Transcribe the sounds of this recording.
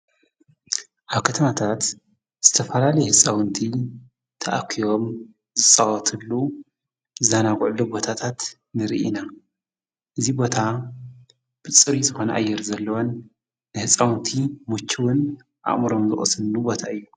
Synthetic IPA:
ʔaβkʰɐt̪ʰɐmat̪ʰat̪ | z̥ɨt̪ʰɐfɐlalɐjhɨsʼawɨnt̪ʰi | t̪ʰɐʔa̰kʰːio̞m | zɨt͡sʼawɔt̪ʰɨlːu | zanaɡʕlubo̞t̪ʰat̪ʰat̪ | nɨɾḭʔḭna | ʔɨzibo̞t̪ʰa | b̥ɨt͡sʼɨɾizɨxo̞nɐʔajːɪɾzɐlːɐwonː | ɨhɨsʼawɨnt̪ʰimut͡ʃʰːiwʊn | ʔa̰ʔʼmɨɾo̞mzɨ̰χʼɨsɨlnubo̞t̪ʰaɨjːu

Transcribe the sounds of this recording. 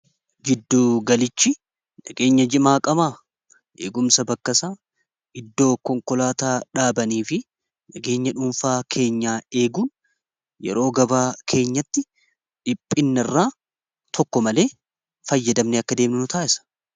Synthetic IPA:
d͡ʒɪd̪ːuːɡɐlɪt͡ʃːɪ | nɐɡe̞ːɲːɐd͡ʒɪmaːkʼɐmaː | ʔḛːɡʊmsɐbɐkːɐsaː | ɪd̪ːo̞ːkɔŋkɔlaːt̪aːᶑaːbɐniːfɪ | nɐɡe̞ːɲːɐᶑʊmfaːkʰe̞ːɲːaːe̞ːɡuːn | jɛ̰ɾo̞ːɡɐbaːkʰe̞ːɲːɐt̪ːɪ | ᶑɪpʼːɪnːɐɪrːaː | t̪ʰɔkːɔmɐle̞ː | fɐjːɐd̪ɐmneɐkːɐd̪e̞ːmnɪnʊt̪aːʔɪsɐ̥

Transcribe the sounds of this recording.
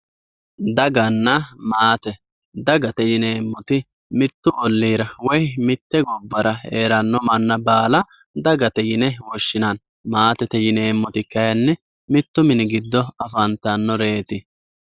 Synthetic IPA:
d̪ɐɡɐnːɐmaːt̪ɛ | d̪ɐɡɐt̪ɛjɪneːmːɔt̪ɪ | mɪt̪ːʊʔɔlːiːɾɐwɔjmɪt̪ːɛɡɔbːɐɾɐeːɾɐnːɔmɐnːɐbaːlɐ | d̪ɐɡɐt̪ɛjɪnɛwɔʃːɪnan | maːt̪ɛt̪ɛjɪneːmːɔt̪ɪkːɐjɐnːɛ | mɪt̪ːʊmɪnɪɡɪd̪ːɔɐfɐnt̪ɐnːɔɾe̞ːt̪ɪ

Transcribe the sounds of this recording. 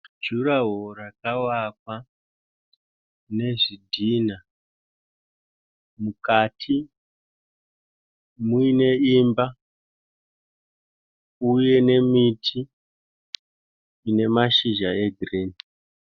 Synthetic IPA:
d͡ʒuɾaɦorakawakwa | ne̞ʐidʱina | mukatʰi | muine̞imba | uje̞ne̞mitʰi | ne̞maʃiʒae̞ɡʱireːni

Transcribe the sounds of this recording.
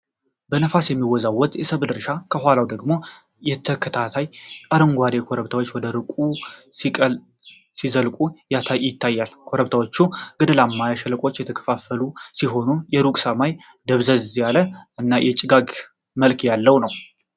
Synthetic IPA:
bənəfasjɛmːiwɔzawːɔt̪ʼjɛsəβɨd̪ɨɾʃakʰəɦʷalawd̪əɡmo̞ | jɛt̪ʰəkʰət̪ʰat̪ʰajʼaɾəŋɡʷad̪ekʰoɾəβt̪ʰawot͡ʃːwɔd̪əɾɨkʼusi | sizəlkʼujat̪ʰaɪt̪ːajːalkʰoɾəβt̪ʰawot͡ʃːuɡ̥əd̪əlamːajaʃɛləkʼo̞t͡ʃːjɛt̪ʰəkʰə̥fafəlusiɦo̞nujɛɾukʼsəmaj | d̪əβzəzzjaləʔɨnːajʔɛt͡ʃʼɪɡaɡ | məlkjalːəwnəw

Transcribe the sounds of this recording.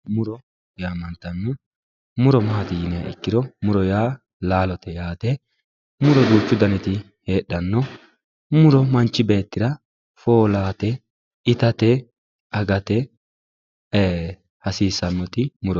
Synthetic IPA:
mʊɾɔ | jaːmɐnt̪ɐnːɔ | mʊɾɔmɐhɐt̪ɪjɪnɛjɐ̰ʔɛ̰kːɪd̪ɔmʊɾɔjaː | laːlɔt̪ɛjaːt̪ɛ | mʊɾɔd̪uːt͡ʃːʊd̪ɐnɛt̪ɪ | he̞ːɗːɐnːɔ | mʊɾɔmɐnt͡ʃːɪbe̞ːt̪ːɪɾɐ | foːlaːt̪ɛ | ɪt̪ɐt̪ɛ | ɐɡɐt̪ɛ | hɐsiːsɐnːɔt̪ɪmʊɾɔ

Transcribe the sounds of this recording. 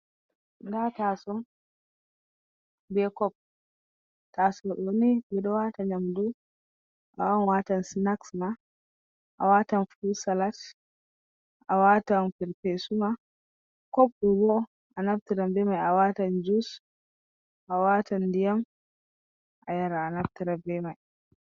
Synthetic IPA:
datasɔn | bɛkɔp̚ | tasɔʔonibɛɗɔwataɲamdu | ʔa̰wanwatansinaksma | ʔa̰watanfusalat | ʔawatanpiɾpɛsuma | kɔp̚ɗubɔ | ʔanab̚tiɾambɛmajawatand͡ʒus | ʔawatandijam | ʔajaɾaːnab̚tiɾabɛmaj

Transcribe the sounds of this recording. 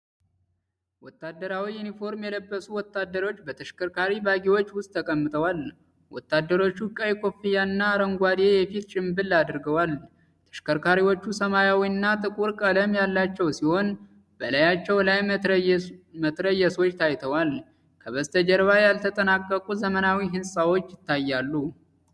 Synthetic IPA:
wɔt̪ːad̪ːəɾawiunifo̞ɾmjɛləbːəsuwɔt̪ːad̪ːəɾo̞t͡ʃːbət̪ʰəʃkʰəɾkʰaɾibaɡiwo̞t͡ʃːwʊst̪ʼːʰəkʼəmːɨt̪ʼʰəwal | wɔ̰t̪ːad̪ːəɾo̞t͡ʃːukʼəjkʰʼo̞fijanːaːɾəŋɡʷad̪jejɛfit̪t͡ʃʼɪmbɨlːad̪ɾɡəwal | t̪ʰə̥ʃkəɾkʰaɾiwot͡ʃːusəmajawiɨnːat̪ʼɨkʼuɾkʼələmjalːat͡ʃːɛwsiho̞n | bəlajat͡ʃːɛwlaj | mət̪ɾəjːɛso̞t͡ʃːt̪ʰajt̪ʰəwal | kʰəβəst̪ʰəd͡ʒəɾβajalt̪ʰət̪ʼənakʼːəkʼuzəmənawiɦɨnsʼawo̞t͡ʃːjɪt̪ːajːalːu

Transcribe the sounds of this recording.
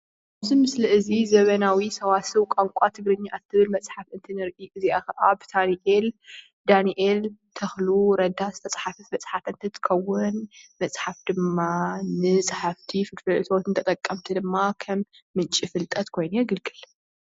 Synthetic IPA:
kʰaβzimɨslɨʔɨzizɐβɐnawisɐwasɨwkʷʼaŋkʷʼat̪ʰɨɡɾɨɲːaʔat̪ʰɨβɨlmɐt͡sʼħafʔɨnt̪ʰɨnɨɾʔiʔɨziakɐʔabt̪ʰaniʔel | d̪aniʔelt̪ʰɐxluɾɐd̪azɨt̪ʰɐt͡sʼħafɨfmɐt͡sʼħafɨnt̪ʰɨt̪ʰɨ̥xʰɐwʊnmɐsʼħafd̪ɨmːanɨsʼħaft̪ʰifɨkfɐlʔɨt̪ʰot̪ʰɨnt̪ʰɐt̪ʼɐkʼːɐmt̪ʰid̪ɨmːakʰɐmːɨnt͡ʃʼifɨlt̪ʼɐt̪kʰo̞jnujɛɡɨlɡʰɨl

